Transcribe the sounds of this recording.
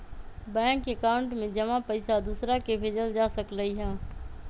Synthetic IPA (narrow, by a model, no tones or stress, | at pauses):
bɛ̃ːŋkekaːʊɳʈmẽd͡ʒəmãpɐɪsad̪uːsɾakebʱeːd͡ʒəld͡ʒaːsəkləiɦãː